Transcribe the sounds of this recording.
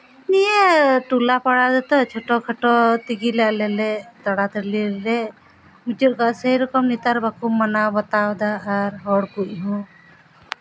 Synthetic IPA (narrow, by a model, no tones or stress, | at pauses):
nijeʈulapaɽad̪ɛt̪ɔt͡ʃʰɔʈɔkʰəʈɔt̪iɡilɛʔlɛlɛt̪əɽat̪əɾliɾlɛ | mut͡ʃuɾkasəiɾɔkɔmnit̪aɾbʱakummːənabɔt̪awd̪aːɾɦɔɽkuʔɦũ